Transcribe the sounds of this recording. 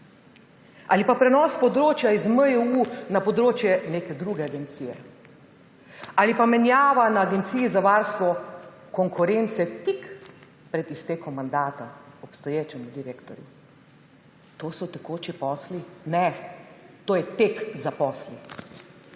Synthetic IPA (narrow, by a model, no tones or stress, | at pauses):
alipapɾɛnɔspɔd̪ɾoːt͡ʃjaizməɛunapɔd̪ɾoːt͡ʃjɛneːkɛd̪ɾuːɡɛaɡɛnt̪siːjɛ̰ | alipamɛnjaːʋanaːɡɛnt̪siːzaʋaːɾst̪ʋɔ | kɔŋkʰuɾent̪sɛt̪ik | pɾɛd̪ist̪eːkɔmːand̪aːt̪aɔpst̪ɔjeːt͡ʃɛmud̪iɾeːkt̪ɔɾjṵ | t̪oːsɔt̪ɛkoːt͡ʃipɔːslinɛ | t̪oːjɛt̪eːkzapɔsli